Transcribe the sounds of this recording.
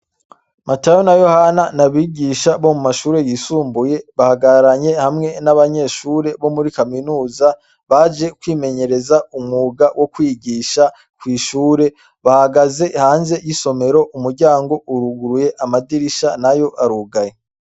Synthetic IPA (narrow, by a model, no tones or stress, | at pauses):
matajonajo̞hananaβiːɟiːʃaβo̞mumaʃuːɾe̞jisuːmbuje̞βahaɡaɾaɲe̞hamŋe̞naβaɲe̞ːʃuːɾe̞βo̞muɾikaminuːza | βad͡ʒe̞kwiːme̞ɲe̞ɾe̞zaumŋuːɡawʔokwiːɡiːʃa | kwiːʃuːɾe̞ | βahaɡaze̞haːnze̞jiso̞me̞ɾo̞ʔumuɾɟaːŋɡo̞ʔuɾuɡuɾuje̞ʔamadiɾiʃanajo̞ʔaɾuɡaje